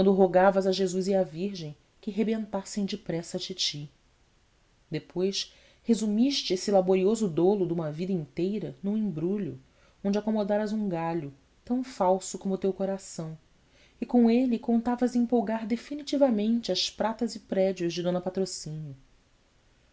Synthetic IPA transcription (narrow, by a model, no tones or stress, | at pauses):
kwɐ̃nd̪ʊɦoɡavɐzɐʒezuziaviɾʒẽj̃ | kɪɦebẽnt̪asẽj̃d͡ʒɪpɾɛsɐt͡ʃit͡ʃi | d̪epʰojʃ | hezumiʃt͡ʃɪesɪlaboɾiozʊd̪olʊd̪ũmɐvid̪ɐĩnt̪ejɾɐnũĩmbɾuʎʊ̰ | õnd͡ʒakomod̪aɾɐzũɡaʎʊ | t̪ɐ̃w̃fawsʊkõmʊt̪ewkoɾasɐ̃w̃ | ɪkõelɪkõnt̪avɐzĩmpowɡaɾd̪efinit͡ʃivɐmẽnt͡ʃɪɐspɾat̪ɐzɪpɾɛd͡ʒiʊzd͡ʒɪd̪õnɐpat̪ɾosĩnjʊ